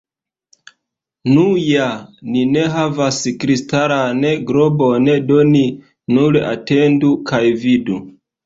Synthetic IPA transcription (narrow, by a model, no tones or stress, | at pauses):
nujanine̞ɦavaskɾistaɾaneɡɾobonedoni | nuɾa̰tendukʰajvidu